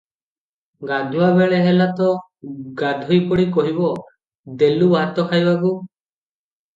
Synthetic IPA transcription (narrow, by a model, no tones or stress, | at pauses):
ɡad̪ʱuwabɛɭɛɦɛlat̪ɔ | ɡad̪ʱɔjpɔɽikɔɦibɔ | d̪elubaɦat̪ɔkʰajbaɡu